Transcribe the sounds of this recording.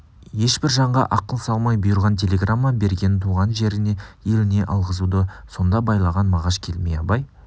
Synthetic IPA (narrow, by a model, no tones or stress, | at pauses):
je̞ʃbɪɾʒɑɴʁɑ̰ʔɑqəlˠsɑlˠmɑjbʊjʊɾʁɑnt̪ʲʰe̞lʲe̞ɡramːabe̞ɾɡʲe̞nt̪ʰuʁɑnʒe̞ɾɪne̞je̞lɪne̞ʔɑlˠʁəzud̪əso̞nd̪ɑbɑjlˠɑʁɑnmɑʁɑʃkʲʰe̞lmejɑpɑj